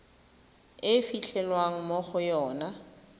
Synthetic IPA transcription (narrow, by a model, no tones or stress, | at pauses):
ɪfiɬʰɛlwaŋ̩moχʊjɔːna